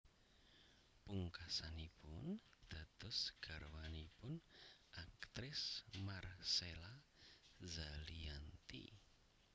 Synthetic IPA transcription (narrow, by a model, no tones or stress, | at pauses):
puŋkasanipʊnd̪̥a̤d̪̥ʊsɡ̥a̤rwanipʊnʔak̚t̪ɾɪsmarsela | zaliant̪ḭ